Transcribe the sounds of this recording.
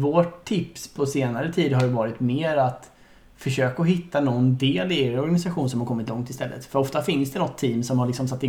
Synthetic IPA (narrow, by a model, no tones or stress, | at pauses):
voːʈʰːɪpspʰɔseːnaɾət̪ʰiːd̪ɦaɾjɵvɑːɾɪt̪meːɾat̪ | fœʂøːkaɔɦɪt̪ːanɔnd̪eːlɪeɾɔɾɡanɪsaɧuːnsɔmhaɾkʰɔmːɪt̪lɔŋt̪ɪst̪ɛlːə̰t̪fœɾɔft̪afɪnsd̪ɛnɔt̪ʰːiːmsɔmhaɭɪksɔmsat̪ːɪ